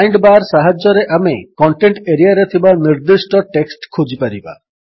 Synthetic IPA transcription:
jɳɖbaɾsaɦad͡ʒɔɾeʔamekɔɳʈeɳʈeɾijaɾet̪ʰibaniɾd̪isʈɔʈeksʈkʰod͡ʒipaɾiba̰

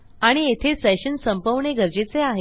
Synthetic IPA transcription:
aɽ̃iet̪ʰesɛɕənsəmpəʋɳeɡəɾd͡ʑet͡seaɦe

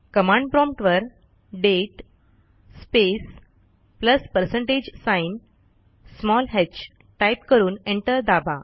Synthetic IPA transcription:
kəmãɳɖ̚pɾɔ̃mpʈʋəɾ | ɖeʈ | spes | pləspəɾsẽɳʈed͡ʑsãin | smɔlɦet͡ɕ | ʈajpkəɾuːneɳʈəɾd̪aba

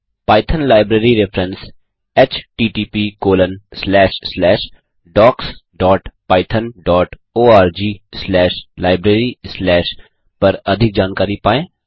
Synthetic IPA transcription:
paːɪt̪ʰənlaːɪbɾeːɾiɾɪfʰɾəns | ɛt͡ʃʈiːʈiːpikoːlənslɛːʃslɛːʃ | ɖɔːksɖɔːʈpaːɪt̪ʰənɖɔːʈ | oːaːɾd͡ʒiːslɛːʃlaːɪbɾeːɾislɛːʃ | pɐɾɐd̪ʱɪk̚d͡ʒaːnkaːɾipaːẽː

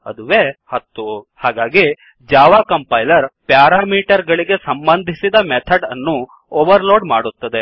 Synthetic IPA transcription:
ɐ̰d̪uʋehɐt̪ːuhaːɡaːɡi | d͡ʒaːʋaːkɐmpɐjlɐɾpjaːɾaːmiːʈɐɾɡɐɭiɡe̞sɐmbɐnd̪ʱisid̪ɐmɛt̪ʰɐɖɐ̰nːu | oːʋɐɾloːɖma̰ːɽut̪ːɐd̪e̞

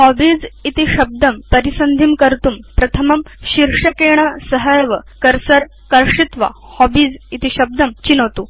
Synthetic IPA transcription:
hɔbiːd͡zit̪iɕɐb̚d̪ɐmpəɾisɐnd̪ʱiːmkəɾt̪uːmpɾɐt̪ʰəmɐmɕiɾʂɐkeɳ̃asəɦəjʋəkɐɾsɐɾ | kɐɾʂit̪ʋa̰ | hɔbiːd͡zit̪iɕɐb̚d̪ɐmt͡ɕinɐʋt̪uː

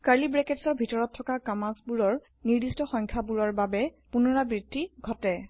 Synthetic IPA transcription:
kalibɹɛkɛtsɔɹbʱitɔɹɔtʰːɔkakamasbuɹɔɹ | niɹdistɔxɔjŋkʰabuɹɔɹbabɛ | punɔɹabɹidʱːiɡʱɔtɛ

